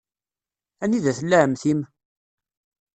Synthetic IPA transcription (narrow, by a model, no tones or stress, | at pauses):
æniðæθəlːæʕəmθim